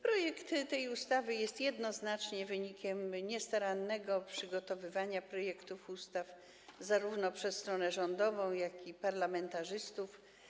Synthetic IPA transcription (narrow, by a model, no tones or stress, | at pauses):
pɾɔjɛkt̪t̪ɛjust̪avɘjɛst̪jɛd̪nɔznat͡ʂɲɛvɘɲikʲɛmɲɛst̪aɾanːɛɡɔpʂɘɡɔt̪ɔvɘvaɲapɾɔjɛkt̪ufust̪af | zaɾuvnɔpʂɛsːt̪ɾɔnɛʐɔnd̪ɔvɔ̃w̃jakipaɾlamɛnt̪aʐɘst̪uf